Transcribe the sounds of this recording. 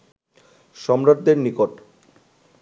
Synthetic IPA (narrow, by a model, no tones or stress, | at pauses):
ʃɔmɾad̪̚d̪eɾnikoʈ